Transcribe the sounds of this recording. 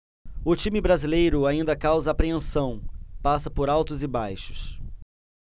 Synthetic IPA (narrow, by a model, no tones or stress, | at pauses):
ʊt͡ʃĩmɪbɾazilejɾʊaĩnd̪ɐkawzɐapɾeẽsɐ̃w̃pasɐpoɾawt̪ʊzɪbajʃʊ̥s